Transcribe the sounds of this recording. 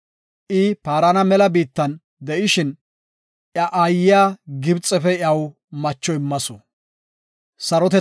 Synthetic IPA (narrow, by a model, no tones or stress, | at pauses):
ʔɪpaːɾɐnɐmɛlɐbiːt̪ːɐn | d̪ɛʔɪʃɪn | ʔjɐʔajɪjaːɡɪbt͡sʼːɛfɛɐw | mɐt͡ʃːɔɪmːɐsɔ | sɐɾɔt̪ɛ